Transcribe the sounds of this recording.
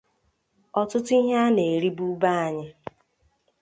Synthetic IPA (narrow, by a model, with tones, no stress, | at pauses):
ɔ˦tʊ˦tʊ˦i˦ɦa˦ne˨e˨ɾi˦bu˦ba˦a˨ɲɪ˦